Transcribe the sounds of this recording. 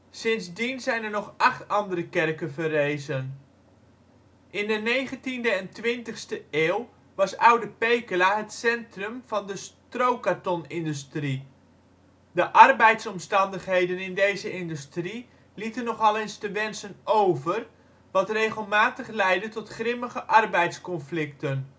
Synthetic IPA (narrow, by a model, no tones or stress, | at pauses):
sɪnzdinzɛjnəɹnɔχʔɑχtɑndərəkɛrkənvərejzən | ʔɪndənejχəntindəɛntʋɪntəχstəeːwˠ | ʋɑsʌwdəpejkəlaɦətsɛntrɵmv̥ɑndəstrowkatɔnɪndystri | dəʔɑrbɛjtsɔmstɑndəχɦejdənɪndejzəɪndystri | litənːɔχɑlenstəʋɛnsənowvər | ʋɑtrejχəlˠmaːtəχlɛjdətɔtχrɪməχəʔɑrbɛjtskɔnflɪktən